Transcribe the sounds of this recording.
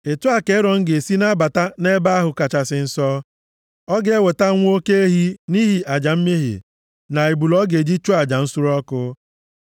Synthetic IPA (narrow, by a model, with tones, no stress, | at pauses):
e˨tʊ˦a˦ke˨˦ɾɔ˨ŋ̩˦ɡe˨si˦na˦ba˨ta˦ne˦ba˦a˦ɦʊ˨ka˨t͡ʃa˨sɪ˨n̩˦sɔ˦ | ɔ˦ɡe˦we˨ta˦ŋʷ˦o˦ke˦e˦ɦi˦ni˦ɦi˨ʔa˨d͡ʒa˨m̩˦mi˦ɦḭ˨ | na˨i˨bu˨lɔ˦ɡe˨d͡ʒi˦t͡ʃo˦a˨d͡ʒa˨n̩˦sʊ˦ɾɔ˦kʊ˦